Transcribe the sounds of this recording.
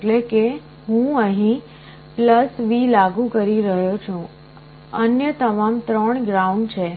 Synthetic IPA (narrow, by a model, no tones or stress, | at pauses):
ʈleke | ɦũəɦĩ | pləsʋilaɡũkəɾiɾəɦjot͡ʃʰũ | ənjət̪əmamt̪ɾəɳɡɾaũɳɖt͡ʃʰe